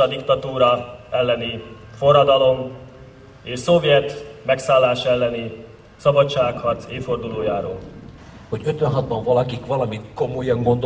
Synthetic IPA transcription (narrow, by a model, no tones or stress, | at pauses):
ɒd̪ikt̪ɒt̪uːɾɒɛlːɛni | fo̞rːɒd̪ɒlo̞m | eːʃsovjɛt̪mɛksaːlːaːʃɛlːɛni | sɒbɒt͡ʃaːkhɒrt̪seːfo̞rd̪uloːjaːɾo̰ːl | ho̞ɟøt̪ʋɛnɦɒd̪̚bɒɱvɒlɒkikvɒlɒmit̪ko̞mojɒŋɡo̞nd̪o